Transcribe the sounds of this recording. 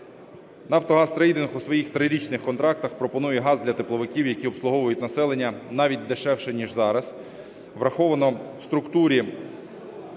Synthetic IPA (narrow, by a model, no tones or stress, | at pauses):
nɐwt̪ɔɦɑst̪ɾɐid̪enxusʋɔjixt̪ɾɪɾʲit͡ʃnɪxkɔnt̪ɾɑk̚t̪ɐxpɾɔpɔnujɛɦɑzd̪lʲɐt̪eplˠɔʋɪkʲiwjɐkʲiɔpslˠʊɦɔʋʊjʊtʲnɐsɛlˠenʲːɐnɑʋʲit̚ʲd̪eʃɛwʃɛnʲiʒzɑɾɐz | ʋɾɐxɔʋɐnɔwst̪ɾʊkt̪uɾʲi